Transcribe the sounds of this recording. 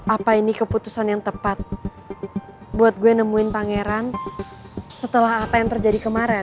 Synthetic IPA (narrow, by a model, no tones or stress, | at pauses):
ʔapainikəput̪usanjaŋt̪əpat̪̚ | buat̪̚ɡuɛnəmuɪnpaŋɛɾan | sət̪əlaɦapajaŋt̪ərd͡ʒadikəmaɾɛ